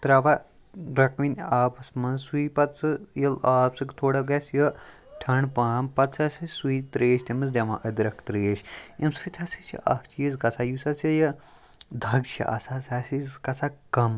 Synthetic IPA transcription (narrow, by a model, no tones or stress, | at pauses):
t̪ɾɐʋa | ɾɐkʋinʲaːpɐsmɐnzsuipɐt̪t͡sɨjɐlaːpsɨkt̪ʰoːɽɐɡɐsjɐ | ʈʰɐɳpaːmpɐt̪sɐsʲɐsuit̪ɾeːʃt̪ʲemɐzd̪ʲɐʋãʔɐd̪ɾɐkʰt̪ɾeːʃjɐmsɨt̪ʲʰɐsit͡ʃʰḭʔɐ̰kʰt͡ʃʰijizkɐsajusɐsɐjɐ | d̪ʱɐɡt͡ʃʰiʔɐ̰sasʲasizkɐsakɐm